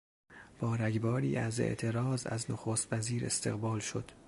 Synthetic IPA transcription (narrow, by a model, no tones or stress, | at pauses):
b̥ɒːɾæɡbɒːɾiːæze̞̰ʔt̪ʰe̞ɾɒːzæ̰znoxoːst̪væziːɾe̞̰st̪ʰe̞̰ɣbɒːlʃo̞d̪̥